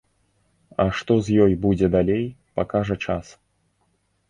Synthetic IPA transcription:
ɐʂt̪ɔzʲjɔjbud͡zʲɛd̪alʲejpakaʐɐt͡ʂas

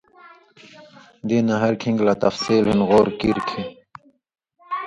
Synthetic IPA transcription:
d̪iːnaɦɐɾkʰĩŋɡlat̪ɐfsiːlhinɣoːɾkiɾkʰi

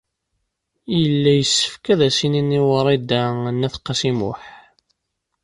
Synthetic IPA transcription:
jəlːæjəsːə̥fkæðæsininːiwəɾˤid̪ænːæθqːɑsimʊħ

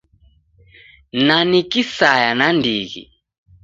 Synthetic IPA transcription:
nanikisajanandiɣḭ

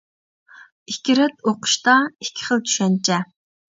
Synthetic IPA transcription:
ikʲiɾɪt̪oqʰʊ̥ʃt̪ɑikʲʰːɪ̥χəlˠt̪ʰy̥ʃɛnt͡ʃʰɛ

